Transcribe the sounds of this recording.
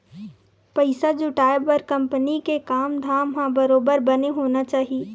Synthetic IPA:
pɐɪsad͡ʒʊʈaːebɐɾkɐ̃mpənikekaːmd̪ʱaːmɦãbɐɾoːbəɾbɐneɦoːnat͡ʃaːɦieː

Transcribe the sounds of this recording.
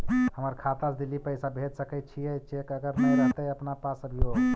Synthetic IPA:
həməɾkʰat̪asd̪ilːipəjsabʱed͡ʒsəkət̪̚t͡ʃʰijɛt͡ʃekəɡəɾnəjɾɛɦt̪əəpnapasəbʱijo

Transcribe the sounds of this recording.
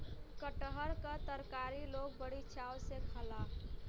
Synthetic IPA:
kəʈɦəɾkat̪əɾkaːɾiloɡ̚bəɽit͡ʃʰawsekʰəlaf

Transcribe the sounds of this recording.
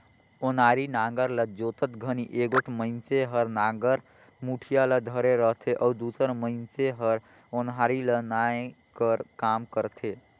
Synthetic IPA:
onaːɾinãːŋɡəɾləd͡ʒoːt̪ət̪ɡʱəniʔeːɡoʈʰməɪnseɦəɾnaːŋɡəɾ | muːʈʰijaləd̪ʱəɾeɾəɦt̪ʰeʔɔːd̪uːsəɾməɪnseɦəɾ | onɦaːɾilənae | kəɾkaːmkəɾt̪ʰeː

